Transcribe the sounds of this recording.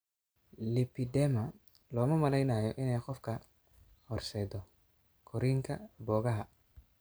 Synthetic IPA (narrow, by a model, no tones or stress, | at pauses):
lipidɛmɐ | lɔːmɐmɐlɛjnaːjɔ̰ʔɪnɛjqɔfkʰɐ | hɔrsɛːd̪ɔ | kʰɔɾiŋkʰɐbɔːɣɐɦɐ